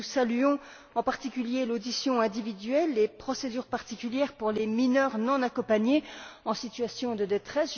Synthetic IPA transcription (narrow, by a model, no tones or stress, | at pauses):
salyɔ̃ | ɑ̃paʁt̪ikʲyljelod̪isjɔ̃ɛ̃d̪ivid̪ɥɛlːepχɔsed̪yʁpaʁt̪ikʲyljɛʁpuʁleminœʁnɑ̃nakɔ̃paɲeɑ̃sit̪ɥasjɔ̃d̪əd̪et̪χɛs